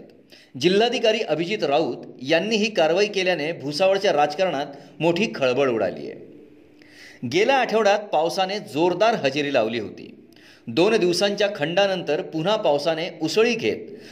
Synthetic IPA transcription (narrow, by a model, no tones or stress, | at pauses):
t̪ | d͡ʑilːad̪ʱikaɾiːʔəbʱid͡ʑit̪ɾauːt̪janːiːɦiːkaɾʋaiːkeljanebʱusaʋəɭt͡ɕjaɾad͡zkəɾɳat̪moʈʰiːkʰəɭbəɭuɽa̰lḭːjḛ | ɡelaːʈʰəʋɽat̪̚pawsaned͡zoɾd̪aɾɦəd͡ʑeɾiːlaʋliːɦo̰t̪ḭː | d̪ond̪iʋsaɲt͡ɕjakʰəɳɖanənt̪əɾpun̤apawsaneusɭiːɡʱḛt̪̚